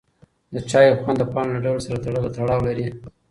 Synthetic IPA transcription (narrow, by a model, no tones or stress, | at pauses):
d̪ət͡ʃɑjxwand̪əpɑnlaɖawlsaɾat̪aɽəlot̪aɽɑwlaɾi